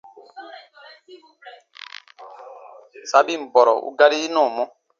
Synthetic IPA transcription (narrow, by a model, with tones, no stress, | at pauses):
sa˨˦bi˦˨m̩˨bɔ˨ɾɔ˨ʔṵ˦ɡa˦ɾiː˦nɔ̃ː˦˨mɔ̃˦